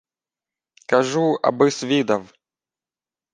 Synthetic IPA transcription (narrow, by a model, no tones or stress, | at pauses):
kaʐuɐ̰bɨsvʲid̪ɐw